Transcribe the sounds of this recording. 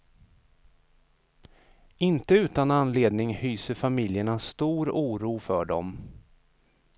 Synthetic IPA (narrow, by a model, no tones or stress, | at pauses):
ɪnt̪əʉːt̪ananleːd̪nɪŋhyːsəɾfamɪljəɳast̪uːɾuːɾuːfœɖɔ̰m